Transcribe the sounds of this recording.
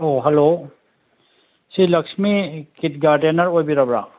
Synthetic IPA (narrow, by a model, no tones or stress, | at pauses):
oɦelo | silɐksmikit̚ɡaɾdenɐɾojbiɾabɾa